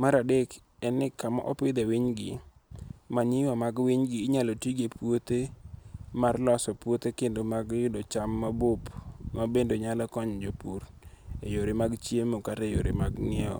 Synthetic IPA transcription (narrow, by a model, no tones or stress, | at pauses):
maɾadek | ɛnːɪkama̰ʔɔpɪd̪ɛwiɲɡɪ | maɲɪwamaɡwiɲɡɪːɲalotiɡepwot̪e | marlɔsɔpwot̪ekendomaɡjʊdot͡ʃamːabʊpmabendoɲalɔkɔɲd͡ʒopuɾ | ejoɾɪmaɡt͡ʃjemokatejoɾemaɡnɪɛɔ̰